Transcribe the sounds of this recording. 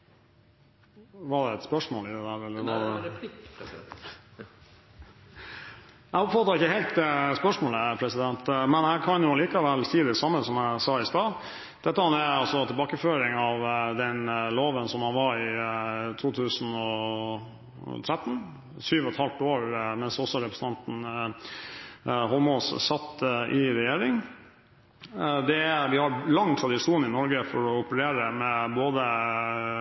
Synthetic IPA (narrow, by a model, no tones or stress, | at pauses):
ʋɑɖɛɛt̪spœʂmoːlɪd̪ɛd̪æːɾɛlːəɾɑ | næɔpfɑt̪ɑːɪkːəhɛɪlt̪spœʂmoːləpʰɾɛsɪd̪ɛnt̪mɛnæɪkʰɑnjʊɑliːkɑʋɛlːsiːd̪ɛsɑmːəsɔmæɪsɑːɪst̪ɑː | d̪̥ɛt̪ːəhɑnæɑlsɔt̪ʰɪlbɑːkəføːɾɪŋɑʋd̪ɛnloːʋənsɔmhɑnʋɑɾɪt̪ʰuːt̪ʰʉːsn̩ɔ | t̪ʰɾɛt̪ːn̩ | syːʋɔɛt̪ʰhɑlt̪oːɾmɛnsɔsɔɾɛpɾəsən̩ɑnt̪n̩ | ɦɔlmɔssɑt̪ːʔɪɾɛjeːɾɪŋ | d̪ɛæʋɪhɑlɑŋːt̪ʰɾɑd̪ɪʂuːnɪnɔɾɡəfɔɾɔʊpəɾeːɾəmɛboːd̪ə